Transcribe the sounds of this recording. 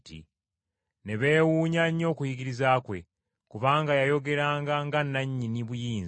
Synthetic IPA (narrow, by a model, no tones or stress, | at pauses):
tḭ | ne̞βe̞ːwuːɲaɲːo̞ːkujiɡiɾizaːkwe̞̰ | kuβaːŋɡajajo̞ɡe̞ɾaːŋɡaŋɡanːaɲːiniβujiːnz